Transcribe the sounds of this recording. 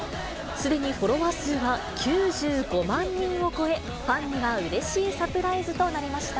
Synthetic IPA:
sɨd̪e̞ɲ̟iɸo̞ɾo̞βasɨβakʲʰɨːʑɨːɡo̞mãɲːĩɰ̃o̞ko̞e̞ | ɸãɲːiβaɯ̟ɾe̞ɕiːsapɯ̟ɾaizɨt̪o̞naɾʲimaɕi̥t̪a

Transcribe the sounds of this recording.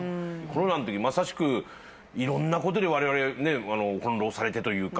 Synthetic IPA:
ko̞ɾo̞nanot̪o̞kʲiimasaɕi̥kɯ̟ | iɾõ̞nːako̞t̪̬o̞d̪e̞β̞aɾe̞βaɾe̞ne̞ano̞hõ̞nɾo̞ːsaɾe̞t̪e̞t̪o̞jɯ̟ːka

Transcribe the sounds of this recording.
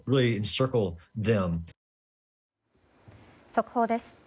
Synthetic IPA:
ɹɪlˠiɨ̃nsɜ˞kl̩ˠðɛ̃m | sokɯ̥hoːd̪esɨ̥

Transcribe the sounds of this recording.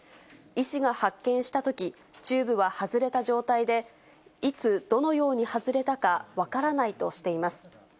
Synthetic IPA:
iɕiɡahakːẽ̞ɰ̃ɕi̥t̪at̪o̞kʲi | t͡ɕɨːbɯ̟βahazɨɾe̞t̪aʑo̞ːt̪aid̪e̞ | it͡sɨd̪̥o̞no̞jo̞ːɲ̟ihazɨɾe̞t̪akaβakaɾanait̪o̞ɕi̥t̪e̞imasɨ̥

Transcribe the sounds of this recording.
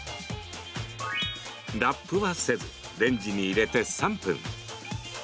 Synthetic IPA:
dapʰːɯβasez | ɾend͡ʑiniːɾet̪esampʰɯ̰ŋ

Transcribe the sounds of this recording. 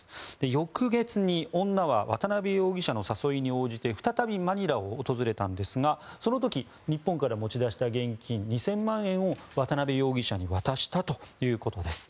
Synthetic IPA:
d̪̥e̞jo̞kɯ̟ɡe̞t͡sɨɲ̟iõ̞nːaβaβa̰t̪anabe̞jo̞ːɡʲiɕano̞saso̞iɲ̟io̞ːʑit̪e̞ɸɯ̥t̪at̪abʲimaɲ̟iɾao̞ːt̪o̞zɨɾe̞t̪ãnd̪e̞sɨɡaso̞no̞t̪̬o̞kʲi | ɲ̟ipːõŋkaɾamo̞t͡ɕid̪aɕi̥t̪aɡẽ̞ŋkʲĩɲ̟ɲːisẽ̞mːãɰ̃ẽ̞ɰ̃o̞βat̪anabejo̞ːɡʲiɕaɲ̟iβat̪aɕi̥t̪at̪o̞jɯ̟ːko̞t̪o̞d̪e̞sɨ̥

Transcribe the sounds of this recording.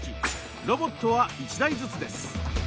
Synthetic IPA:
i | ɾo̞bo̞t̪ːo̞βait͡ɕid̪aizɨt͡sɨd̪e̞sɨ̥

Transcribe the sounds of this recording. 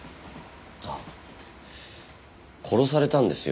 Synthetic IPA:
a | kʰo̞ɾo̞saɾe̞t̪ãnd̪e̞sɨj

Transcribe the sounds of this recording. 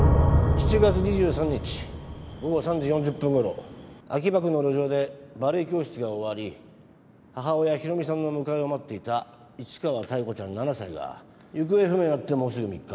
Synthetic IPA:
ɕi̥t͡ɕiɡat͡sɨɲ̟iʑɨːsãɲ̟ːit͡ɕi̥ɡo̞ɡo̞sãɲd͡ʑijõ̞ɲ̟d͡ʑɯpːɯ̃ŋɡo̞ɾo̞̰a̰k̬ʲibak̬ɯ̟no̞ɾo̞ʑo̞ːd̪e̞baɾɯ̟ikʲo̞ːɕi̥t͡sɨɡaoβaɾʲi | haɦao̞jaçiɾo̞mʲisãnːo̞mɯ̟kaeomat̪ːe̞it̪a | it͡ɕi̥kaβat̪aiko̞t͡ɕãnːanasaiɡa̰ | jɯ̟k̬ɯ̟e̞ɸɯ̟meat̪ːe̞mo̞ːsɨɡɯ̟mʲikːḁ

